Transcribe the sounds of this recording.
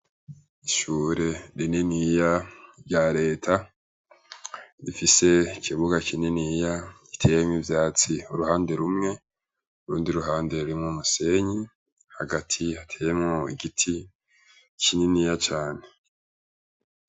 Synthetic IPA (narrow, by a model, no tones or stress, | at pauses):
iʃuɾe̞ɾininijaɾɟaɾe̞ːtʰa | ɾifise̞kʰiβuɡakʰininija | i̥tʰejemŋivjaːt͡siuɾuhaːnde̞ɾumŋe̞ | uɾuːndiɾuɦaːnde̞ɾuɾimŋumuse̞ɲi | haɡatʰihatʰeːjemŋoiɡitʰi | kʰininiːjat͡ʃaːne̞